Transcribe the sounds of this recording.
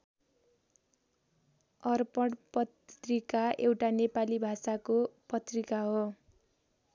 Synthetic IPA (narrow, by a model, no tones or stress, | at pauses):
ʌrpʌɽpʌt̪rikaʔewʈanepalibʱasakopʌt̪rikaɦo